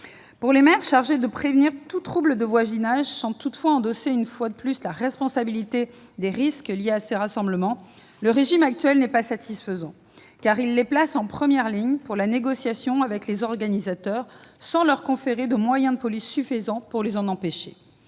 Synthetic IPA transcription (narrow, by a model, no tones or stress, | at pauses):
puʁlemɛʁʃaʁʒed̪əpχevniʁt̪ut̪χubləd̪əvwazinaʒsɑ̃t̪ut̪fwaɑ̃d̪ɔseynfwad̪əplyslaʁɛspɔ̃sabilit̪e | d̪eʁiskljeaseʁasɑ̃bləmɑ̃ | ləʁeʒimak̚t̪ɥɛlnɛpasat̪ʰisfəzɑ̃ | kaʁilːeplasɑ̃pχəmjɛʁliɲpuʁlaneɡɔsjasjɔ̃avɛklezɔʁɡanizat̪œʁsɑ̃lœʁkɔ̃feʁed̪əmwajɛ̃d̪əpɔlisːyfizɑ̃puʁlezɑ̃nɑ̃peʃe